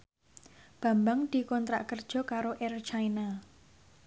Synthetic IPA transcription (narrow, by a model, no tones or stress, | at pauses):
b̥a̤mbaŋd̪̥i̤kɔnt̪ɾa̰ʔkərd̥ʒ̥ɔ̤kaɾoʔɛrt͡ʃaina